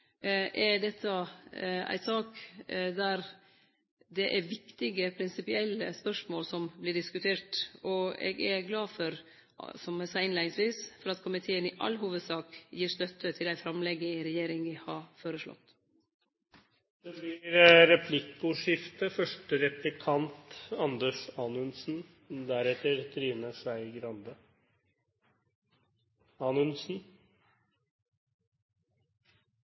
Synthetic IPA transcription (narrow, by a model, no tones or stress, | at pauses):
ʔɛɖ̪ɛt̪ʰːəʔæ̰ɪt̪sɑːkd̪æɾ | d̪ɛʔæɾʋɪkt̪ɪɡəpʰɾɪnsɪpɪɛlːəspœʂmoːlsɔmblɪɖɪskʉt̪ʰeːʈɔɛ̰ːɡɛɾɡlɑːfɔɾ | sɔmɛsɑːɪnlæɪnɪŋsʋiːsfɔɾɑt̪kʰʊmɪt̪ʰeːənɪʔɑ̰lːɦuːʋəd̪sɑːkjiːɾst̪œt̪ʰːət̪ʰɪlæɪfɾɑmlɛɡːəɪɾɛjeːɾɪŋʋɪhɑɾfoːɾəʂlɔ̰t̪ | d̪̥ɛblɪɾɾɛpʰlɪkʊʂɪft̪əfœʂʈəɾɛplɪkʰɑnt̪ɑnd̪əʂɑːnʉnsn̩ | d̪æɾɛt̪əɾt̪ʰɾiːʋnəʂæɪɡɾɑnd̪ə | ɑːnʉnsn̩